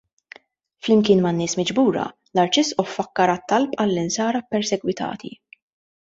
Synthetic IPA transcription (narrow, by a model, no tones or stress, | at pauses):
flɪmkɪːnmɐnːɪːsmɪd͡ʒbuːɾɐ̰ | lɐɾt͡ʃɪsʔɔfːɐkːɐɾɐt̪ːɐlpʼɐlːɪnsɐːɾɐpːɛɾsɛɡwɪt̪ʰɐ̰ːt̪ʰḭ